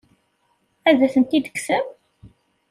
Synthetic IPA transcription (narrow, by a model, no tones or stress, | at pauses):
æðæθənt̪id̪əksəm